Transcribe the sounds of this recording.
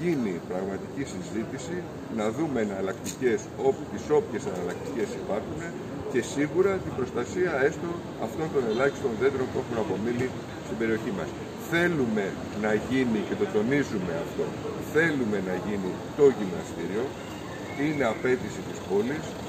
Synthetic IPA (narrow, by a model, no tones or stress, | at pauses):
ʝinipɾɐɣmɐt̪icisizit̪isi | nɐðume̞ːnɐlɐkt̪ice̞so̞put̪iso̞pçe̞sɐnɐlɐk̚t̪ice̞sipɐɾxune̞ | ce̞siɣuɾɐt̪ibɾo̞st̪ɐsiɐe̞st̪o̞ | ɐft̪o̞nt̪o̞ne̞lɐçist̪o̞nðe̞d̪ɾo̞npue̞xunɐpo̞mini | st̪imbe̞ɾio̞çimɐ̰s | θe̞lume̞ | nɐʝinice̞t̪o̞t̪o̞nizume̞ɐ̰ft̪o̞̰ | θe̞lume̞nɐʝini | t̪o̞ʝinnɐ̰st̪iɾio̞ | ine̞ɐpe̞t̪isit̪ispo̞lis